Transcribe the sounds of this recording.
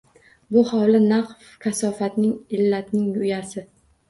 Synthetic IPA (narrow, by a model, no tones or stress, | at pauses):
bʊhawlɪnaqf | kʲʰasɒfat̪nɪŋɪlːat̪nɪŋʊjasɪ